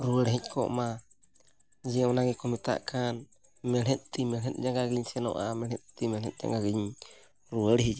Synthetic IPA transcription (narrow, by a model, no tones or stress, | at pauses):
ɾuəɽɦɛɲkʰɔ̰ʔma | d͡ʒɛɔnaɡɛkɔmit̪a̰ʔkan | mɛɾɛt̪̚t̪imɛɾɛt̪̚d͡ʒaŋɡaɡiɲsɛnɔ̰ʔamɛɾɛt̪̚t̪imɛɾɛt̪̚ˀd͡ʒa̰ŋɡaɡiɲ | ɾuəɽɦid͡ʒ